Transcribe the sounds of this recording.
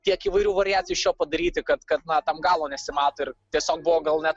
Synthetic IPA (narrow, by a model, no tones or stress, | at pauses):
t̪ʲiɛkiːʋɐɪɾʲuːʋɐɾʲɪjæːtt͡sʲɪjuːʃʲoːpɐd̪ɐɾʲiːt̪ʲɪkɐt̪kɐt̪nɐt̪ɐmɡɑːlˠoːnʲɛsʲɪmɑːt̪oːɪrt̪ʲiɛsʲoːk̚bʊʋoɡɐlˠnʲɛ